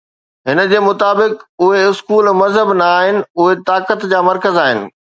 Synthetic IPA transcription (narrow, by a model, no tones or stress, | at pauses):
ɦɪnə̆d͡ʑeːmʊt̪aːbɪkʊɦeɪskuːlmɐzɦəbnɐaːɦɪnɪ̆ʊɦet̪aːkət̪d͡ʑaːmɐɾkəzaːɦɪnɪ̰̆